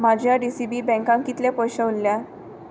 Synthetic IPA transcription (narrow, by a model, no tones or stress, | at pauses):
m̤ad͡ʑʱjaɖisibiːbɛ̃ŋkãŋkit̪lepɔjɕəulːja